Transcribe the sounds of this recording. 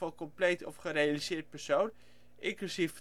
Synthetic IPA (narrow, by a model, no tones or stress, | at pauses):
ɑlˠkɔmplejtɔ̰fχərejalizɪːɹt̚pɛɹsown | ʔɪŋkusif